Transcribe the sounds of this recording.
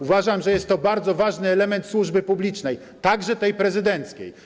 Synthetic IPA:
uvaʐamʐɛjɛst̪ːɔbaɾd̪zɔvaʐnɘɛlɛmɛnt̪swuʐbɘpublʲit͡ʂnɛj | t̪aɡʐɛt̪ɛjpɾɛzɘd̪ɛnt̪skʲḛj

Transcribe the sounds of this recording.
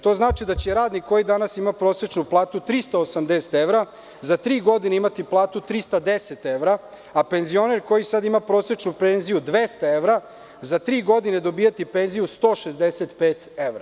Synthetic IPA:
t̪o̞znaːt͡ʃid̪at͡ɕeɾaːd̪nikʰːo̞jid̪anasimapɾo̞ːset͡ʃnuplˠaːt̪ut̪ɾist̪aosamd̪ese̥t̪eʋɾa | zat̪ɾiːɡo̞d̪ineimat̪iplˠaːt̪ut̪ɾist̪ad̪eset̪e̞ʋɾa | ape̞nzio̞neɾko̞jisad̪imapɾo̞ːset͡ʃnupenzijud̪ʋest̪ae̞ʋɾa | zat̪ɾiːɡo̞d̪ine̞d̪o̞biːjat̪ipe̞nzijust̪o̞ːʃezd̪eset̪peːt̪eʋɾa

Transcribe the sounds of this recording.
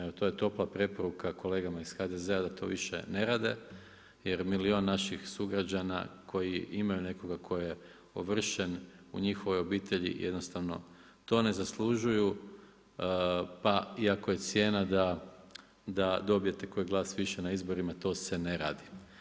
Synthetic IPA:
eot̪oje̞t̪o̞plˠapɾe̞po̞ɾukʰako̞le̞ːɡamaisxad̪ezead̪at̪ʰo̞̰ːʋiʃḛne̞ɾaːd̪e̞ | jeɾmilio̞ːnːaʃixsuɡɾad͡ʒana̰kʰo̞jiimajune̞ko̞ɡakʰo̞je | oʋr̩ʃenṵɲixo̞ʋo̞jo̞biːt̪ʰe̞ʎḭjʔed̪no̞st̪aʋno̞̰ | t̪o̞ːne̞zaslˠuʒuju | paiakoje̞t̪sje̞ːnad̪a | d̪ad̪o̞bije̞t̪e̞ko̞ːjɡlˠaːsʋiʃenaizbo̞ɾimat̪o̞ːse̞ne̞ɾaːd̪i

